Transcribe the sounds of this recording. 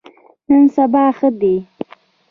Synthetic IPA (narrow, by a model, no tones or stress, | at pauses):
nənsabɑːxəd̪e